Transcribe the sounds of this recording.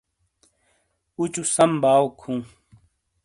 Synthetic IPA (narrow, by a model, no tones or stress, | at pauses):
ut͡ɕusɐmbaːokʰũː